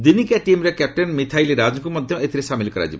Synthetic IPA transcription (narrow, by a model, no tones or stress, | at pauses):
d̪inikɛʈimɾekɛp̚ʈenmit̪ʰajliɾad͡ʒɔkumɔd̪ʱjɔet̪ʰiɾesamilkɔɾa̰d͡ʒḭbɔ